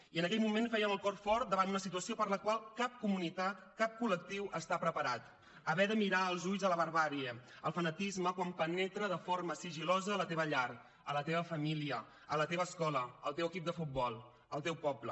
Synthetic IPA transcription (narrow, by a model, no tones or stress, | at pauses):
iənəkɛʎmumenfɛjənəlˠkɔrfɔɾt̪̚d̪əβand̪unəsit̪uəsiopəɾləkwalˠkap̚kumunit̪at̪ | kap̚kulək̚t̪iwʔəst̪apɾəpəɾat̪ | əβɛðəmiɾaəlˠzuʎzələβəɾβaɾiə | əlˠfənət̪izməkwampənɛt̪ɾəðəfoɾməsiʒilɔzəːlət̪eβəʎar | ələt̪eβəfəmiliə | ələt̪eβəskɔləəlˠt̪ewəkip̚d̪əfut̪̚bɔlˠ | əlˠt̪ewpɔblə